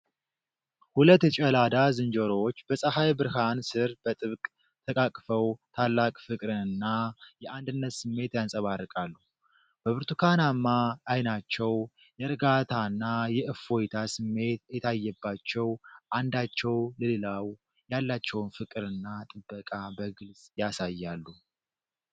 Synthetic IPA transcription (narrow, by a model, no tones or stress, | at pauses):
hulət̪ːt͡ʃʼəlad̪azɨnd͡ʒəɾo̞t͡ʃːb̥əsʼəhajbɨɾhansɨɾb̥ət̪ʼɨβkʼ | t̪ʰəkʼakʼfəwt̪ʰalːakʼfɨkʼɾɨnɨnːajɛʔand̪ɨnːət̪sɨmːe̞t̪jansʼəβarːɨkʼalːuh | b̥əβɨɾt̪ʰukʰanamːaʔːjnat͡ʃːɛw | jɛɾɨɡat̪ʰanːajɛʔɨfo̞jt̪ʰasɨmːe̞t̪jɛt̪ʰajːɛbːat͡ʃːɛwʔand̪at͡ʃːɛwləlelaw | jalːat͡ʃːɛwnfɨkʼɨɾɨnːat̪ʼɨbːəkʼabəɡɨlsʼjasajːalːu